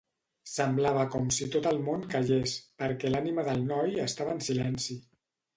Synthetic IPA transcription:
səmblaβ̞əkɔmsit̪ot̪əlˠmonkəʒespəɾkɛlaniməðəlˠnɔjəst̪aβənsilɛnsi

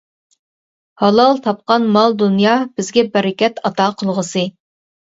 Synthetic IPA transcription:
hɑlˠɑlˠt̪ʰɑp̚qɑnmɑlˠd̪unjɑːb̥ɪzɡʲɛbɛɾɪkʲɛt̪ɑt̪ɑqʰəlˠʁəsɨ

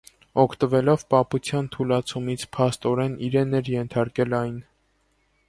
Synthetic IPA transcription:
ɔkʰt̪əvɛlɔvpɑput͡sʰjɑnt̪ʰulɑt͡sʰumit͡sʰpʰɑst̪ɔɾɛniɾɛnɛɾjɛnt̪ʰɑɾkɛlɑjn

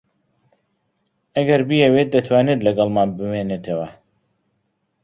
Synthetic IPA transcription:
ɐɡɐɾbijɛweːt̪̚d̪ɐt̪ʰwaːnet̪lɐɡɑlˠmaːnbɨmeːneːt̪ʰɐwɐ

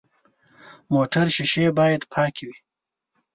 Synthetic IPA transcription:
moʈaɾʃɪʃebɑːjad̪pʰɑːkʰiwi

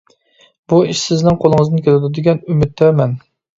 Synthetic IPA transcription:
buiʃsɪznɪŋqʰolˠɨŋɨzd̪ɨnkʰʲelɪd̪ɪd̪ɪɡʲɛnymɪt̪̚d̪ɛɾmɛn

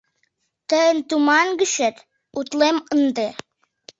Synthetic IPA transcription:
t̪əənt̪umɑnɡiʃet̪ | ut̪lˠemənd̪e

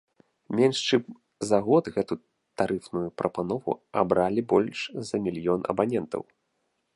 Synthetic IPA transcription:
mʲɛnʂt͡ʂɨm | zɐɣɔd̪ɣɛt̪u | t̪aɾɨfnujupɾɐpanɔvṵa̰bɾalʲibɔlʲʂzɐmʲilʲjɔnɐ̰banʲɛnt̪ɐ̰w

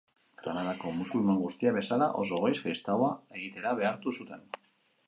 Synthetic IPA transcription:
kɾanaðako̞musulimaŋɡust̪iaβe̞salaʔo̞̰so̞ɣe̞jskɾist̪awae̞ɣit̪e̞ɾaβe̞aɾt̪usut̪e̞n

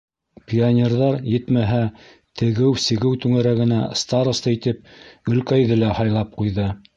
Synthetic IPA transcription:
pʲionʲerðɑɾjɘ̆t̪mæɦæ | t̪ʰɘ̆ɡɘwsɘ̆ɡɘwt̪ʉŋæɾæɡɘ̆næst̪ɑɾŏst̪ɤit̪ɘp̚ɡɵ̆lkæjðɘlæhɑjlˠɑp̚qujðɤ

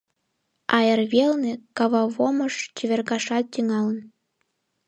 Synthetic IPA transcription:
ɑjərβelnekɑβɑβoməʃt͡ɕiβʲerɣɑʃɑt̪̚t̪ːyŋɑlə̆n

